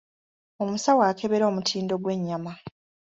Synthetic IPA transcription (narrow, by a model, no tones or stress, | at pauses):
omusawaːkeβe̞ɾo̞ːmutʰiːndo̞ɡwe̞ɲːama